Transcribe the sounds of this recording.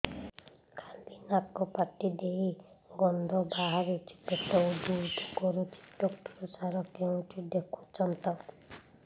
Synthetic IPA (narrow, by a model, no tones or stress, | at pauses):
kʰamb̪inakɔpaʈid̪eɦiɡɔnd̪ʱɔbaɦaɾut͡ʃʰi̥tet̪ɔud̪ud̪ɔkɔɾut͡ʃʰi̥ʈɔkʈɾɔsaɾɔkeũʈʰid̪ekʰut͡ʃʰɔnt̪ɔ